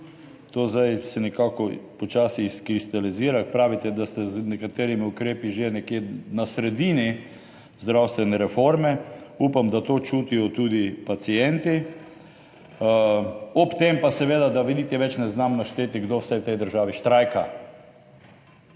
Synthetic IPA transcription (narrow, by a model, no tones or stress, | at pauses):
t̪oːzd̪ajsɛnɛkaːkɔpɔt͡ʃaːsiskɾist̪aliziːɾakpɾaːʋit̪ɛd̪ast̪ɛznɛkat̪eːɾimiʊkɾeːpiʒenɛkjeːnasɾɛd̪iːni | zd̪ɾawst̪ʋɛnɛɾɛfoɾmɛupamd̪at̪oːt͡ʃuːt̪ijɔt̪uːd̪ipat̪sijɛnt̪i | ɔpt̪empasɛʋeːd̪ad̪aʋid̪it̪ɛʋɛt͡ʃnɛznamnaʃt̪eːt̪iɡd̪owsɛjwt̪ɛjd̪əɾʒaːʋiʃt̪ɾajka